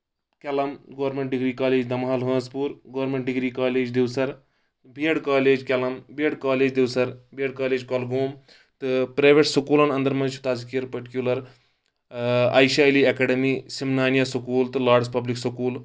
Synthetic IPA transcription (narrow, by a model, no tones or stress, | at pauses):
kʲɐlɐmɡɐʋɐɾmeɳʈ̚ɖiɡɾiːkaːleːd͡ʒd̪ɐmɦaːlɦɐ̃ːzpuːɾɡɐʋɾmeɳʈ̚ɖiɡɾiːkaːleːd͡ʒd̪iʋsɐɾ | biɐɽkaːleːd͡ʒkʲɐlɐmbieɽkaːleːd͡ʒd̪iwsɐɾbiɐɽkaːleːd͡ʒkɐlɡoːm | t̪ɨpɾɐjʋeʈsɐkuːlɐnɐnd̪ɐɾmɐ̃nt͡ʃʰu̥t̪aːzkiɐɾpɐʈikjulɐɾ | a̰ːjʃaːjliɐkɐɖɐmiːsimnaːnjɐsɐkuːlt̪ɨlaːɖzpɐbliksɐkuːl